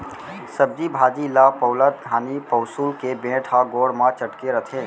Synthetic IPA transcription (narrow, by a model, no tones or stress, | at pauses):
səb̚d͡ʒibʱaːd͡ʒilapəʊlət̪̚ɡʱaːnipəʊsuːlkebẽːʈʰaɡoːɽmãt͡ʃəʈkeɾət̪ʰẽː